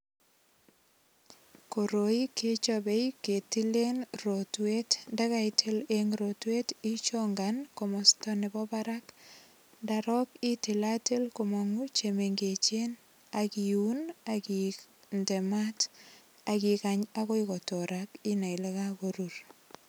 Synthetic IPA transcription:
ko˨ɾo˨i˦ke˦t͡ʃo˦be˦jke˨ti˦le˦nro˨twe˦tnda˦ɣa˦itʰe˦leŋɾotwe˦ti˦t͡ʃoŋɡanko˨mɔstɔ˦nɪ˨bɔ˦ba˦ɾa˦k | da˨ɾɔ˦kɪ˦ti˨la˦te˦lko˨mɔ˨ŋu˦t͡ʃeme˨ŋɡe˨t͡ʃe˦n | a˨kiu˦na˨ki˨nde˨ma˦t | a˨kɪ˨ka˨ɲa˦ko˦ɪkɔ˨tɔ˨ɾʔakɪ˦na˨jle˦ka˦ko˨ɾuɾ

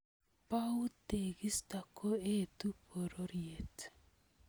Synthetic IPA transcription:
pa˦u˦te˨ɡi˦sta˨kʰo˦e˦tu˦po˨ɾoɾje˨t

